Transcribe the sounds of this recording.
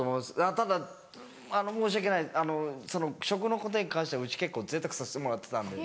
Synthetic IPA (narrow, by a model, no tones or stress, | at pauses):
t̪omomasɨat̪ad̪a | ano̞moːɕiake̞naiano̞so̞no̞ɕo̞k̬ɯ̟no̞ko̞t̪oɲ̟ikãɰ̃ɕi̥t̪aɯ̟t͡ɕi̥ke̞kːo̞ːze̞ːt̪akɯ̟̥saɕi̥t̪e̞mo̞ɾat̪ːe̞̥t̪ãnd̪e